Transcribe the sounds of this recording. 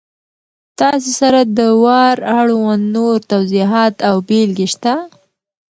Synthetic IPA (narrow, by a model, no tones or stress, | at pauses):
t̪ɑs̬esaɾad̪əwɑɾaɽwanːoɾt̪awziɦɑt̪awbelɡeʃt̪a